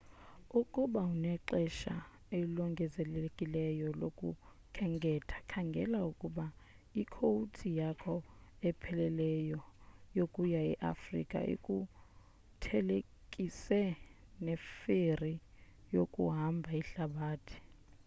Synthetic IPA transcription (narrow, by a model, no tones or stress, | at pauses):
ukʼuɓaunɛǃɛʃa | elɔŋɡʱɛzɛlekʼilɛjɔlokʼṵ | kʰɛŋɡʱɛtʰḁkʰaŋɡʱɛ̰laukʼuɓa | ikʰoutʰijakʰɔɛpʰɛlɛlɛjɔjokʼujaḭʔa̰frḭkʼa̰ḭkʼu | tʰɛle | kʼisɛ | nɛferijokʼṵɦambʱaiɬaɓaːtʰi̥